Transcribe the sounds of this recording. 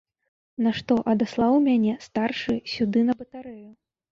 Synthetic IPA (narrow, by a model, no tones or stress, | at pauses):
naʂt̪ɔʔɐd̪aslˠawmʲanʲɛst̪arʂɨsʲud̪ɨnɐbɐt̪aɾɛju